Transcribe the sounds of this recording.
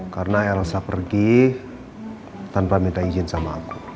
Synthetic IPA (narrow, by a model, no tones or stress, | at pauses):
karnaɛɾasapərɡi | t̪anpamit̪aid͡ʒinsamaku̥